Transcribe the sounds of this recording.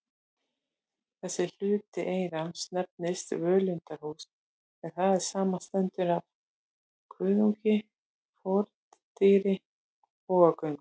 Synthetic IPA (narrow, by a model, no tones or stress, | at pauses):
θɛsːɪl̥ʏːt̪ɪʔeːjɾanst̪nɛp̚nɪst̪vœːlʏnt̪aɦus | ɛð̥θaðɛɾ̥saːmast̪ɛnt̪ʏɾav | kʰvʏːðuɲcɪ | fɔɾt̪ | t̪iɾɪ | ɔːɣakœɥŋ